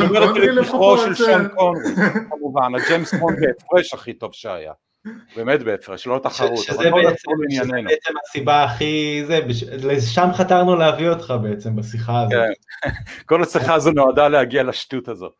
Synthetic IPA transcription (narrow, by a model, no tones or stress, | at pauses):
domeʁet̪ilekiχoʃelʃonkonʁikamuvanad͡ʒemsbonbeːfʁeʃaχito̞vʃea̰ja̰ | beːmet̪beefʁeʃlolet̪aχʃaʁutʃezeolasulinjanenet͡semasibaːχizebeʃleʃamχataʁnuleavio̞t̪χabeet͡se̞mbasiχaazkenko̞lasiχaːzonoadalehaɡialaʃt̪utazo̞̰